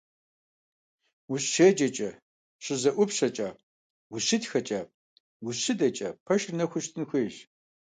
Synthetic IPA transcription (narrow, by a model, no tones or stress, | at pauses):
wʊɕʃed͡ʒɐt͡ʃʼɐ | ɕɪzɐʔʷʊpɕɐt͡ʃʼaː | wʊɕɪtxɐt͡ʃʼɐ | wʊɕɨdɐt͡ʃʼɐpʰɐʃrnɐxʷʊʃtʰɨnxʷeːʒ